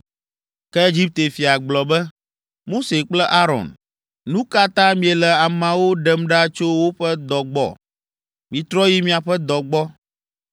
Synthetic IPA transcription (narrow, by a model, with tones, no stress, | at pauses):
kɛ˦e˦d͡ʒi˦p̚t̪e˨fi˨a˨ɡ͡blɔ˨bɛ˦ | mo˦se˨k͡plɛ˦ʔa˦ɾɔ̰˨n | nũ˦ka˦t̪ã˦mĩ˦ɛ˨lɛ˨a˨mã˨wo˦ɖɛ˦mɖa˦t͡ʃo˦wo˦ɸɛ˦d̪ɔ˨ɡ͡bɔ̰˦˨ | mĩ˨t̪ɾɔ˦ji˦mĩ˦a˨ɸɛ˦d̪ɔ˨ɡ͡bɔ˦